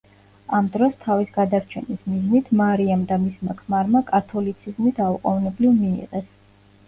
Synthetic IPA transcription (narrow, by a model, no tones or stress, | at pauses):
amd̪ɾɔst̪ʰavisɡad̪aɾt͡ʃʰɛ̰nismiznit̪ʰmaɾiamd̪amismakʰmaɾmakʼat̪ʰɔlit̪sʰizmid̪ʰauqʼɔvnɛblivmiḭʁɛs